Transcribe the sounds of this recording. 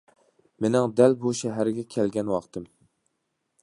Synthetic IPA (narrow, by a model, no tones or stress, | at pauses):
menɪŋd̪ælbuʃɛɦæɾɡʲɛkʲʰɛlɡʲɛnwɑqt̪ʰɨm